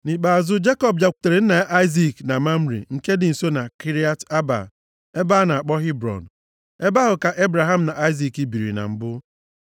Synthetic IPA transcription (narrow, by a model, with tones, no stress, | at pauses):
ni˨k͡pa˨a˨zʊ˦d͡ʒe˦kɔ˨b̚d͡ʒa˨kʷu̥˨te˨ɾe˨n̩˦na˨˦ʔa˦ɪ˦zi˨kna˨ma˦m̩˦ɾḭ˨ŋ̩˨ke˦dɪ˨n̩˨so˦na˨ki˦ɾi˦a˦ta˦ba̰˨ | e˦ba˦na˨a˨k͡pɔ˦ɦi˦bɾɔ̰˨n̩˨ | e˦ba˦ɦʊ˨ka˨ʔe˦bɾa˨ɦa˦m̩˨na˨ʔa˦ɪ˦zi˨ki˦bi˨ɾḭ˨na̰˨m̩˨bʊ˦